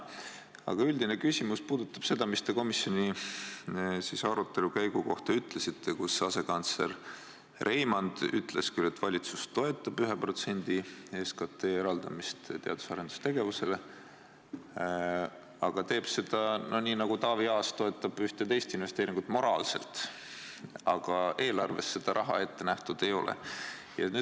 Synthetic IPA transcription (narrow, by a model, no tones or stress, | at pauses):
ɑ̰ɡ̥ɑyld̪ine̞kysʲimuspuːd̪ut̪ːˑɑb̥se̞d̪̥ɑmist̪eko̞misjo̞nʲi | sisɑɾut̪ːˑe̞lukæjɡ̥uko̞ht̪ɑyt̪le̞sit̪ːe̞kusɑse̞kɑnt̪sle̞̰r | rʔe̞jmɑnd̪̥y̰t̪ːˑle̞skyle̞t̪ːvɑlʲit̪sust̪o̞e̞t̪ːˑɑb̥yɦepro̞t̪se̞nʲd̪̥ieskɑt̪e̞ːeɾɑld̪̥ɑmist̪t̪e̞ɑd̪̥u̥sɑɾed̪̥u̥st̪e̞ɡe̞vuse̞le̞ | ɑɡ̥ɑt̪e̞ːb̥se̞d̪̥ɑnoniːnɑɡut̪ɑːviɑːst̪o̞e̞t̪ːɑb̥yht̪e̞t̪e̞jst̪inve̞st̪eːɾiŋɡut̪ːˑmo̞ɾɑːlse̞̰lt̪ | ɑɡ̥ɑʔe̞ːlɑrve̞sːe̞d̪̥ɑɾʔɑɦɑ̰e̞t̪ːe̞næht̪ud̪̥e̞jo̞̰lʔḛ | jɑny